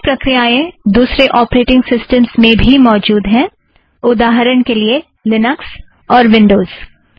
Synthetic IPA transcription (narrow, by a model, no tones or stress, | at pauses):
pɾɐkɾijaẽd̪uːsɾeʔɔːpɾeːʈɪ̃ŋɡsɪsʈəmsmẽbʱimɔːd͡ʒuːd̪ɦɛ̃ː | ʊd̪aːɦəɾəñkelie | lɪnəks | ɔːɾʋɪ̃ɳɖoːz̥